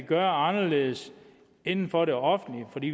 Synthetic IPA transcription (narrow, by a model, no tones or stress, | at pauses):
ɡ̥ɶɐɑ̈nɐle̝ːð̞̩ˠs | e̝nn̩fɒ̽ɾeɒ̽fn̩lifɒd̥ḭː